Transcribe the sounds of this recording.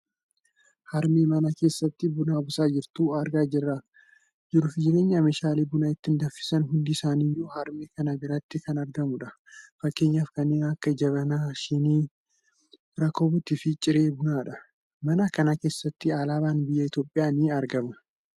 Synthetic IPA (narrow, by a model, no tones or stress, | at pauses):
hɐɾmeːmɐnɐke̞ːsːɐt̪ːɪbʊnaːbʊsaːd͡ʒɪɾt̪uːɐɾɡaːd͡ʒɪrːaː | d͡ʒɪɾʊfɪd͡ʒɪɾe̞ːɲːɐmeːʃaːliːbʊnɐɪt̪ːɪnd̪ɐfːɪ̥sɐnɦʊnd̪ɪːsaːnijuːhɐɾmeːkɐnɐbɪɾɐt̪ːɪkɐnɐɾɡɐmʊᶑɐ | fɐkːe̞ːɲːaːfkɐnːeːnɐkːɐd͡ʒɐβɐnaːʃɪniː | ɾɐkoːbʊt̪ːɪfɪt͡ʃʼɪɾe̞ːbʊnaːᶑɐ | mɐnɐkɐnake̞ːsːɐt̪ːɪaːlaːbaːnbɪjːɐɪt̪jo̞ːpʼːɪjaːnɪɐɾɡɐmɐ